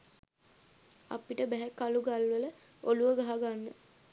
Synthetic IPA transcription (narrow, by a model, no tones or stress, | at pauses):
a̰piʈəbæɦækːaluɡalʋələ | oluʋəɡaɦaɡanːə